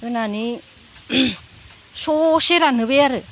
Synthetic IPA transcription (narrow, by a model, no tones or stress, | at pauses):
enani | soseɾanɯβeaɾɯ